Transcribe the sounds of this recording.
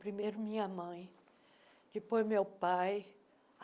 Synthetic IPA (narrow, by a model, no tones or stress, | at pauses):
pɾimejɾʊmĩɲɐmɐ̃j̃ | d͡ʒ̪ipojmewpaj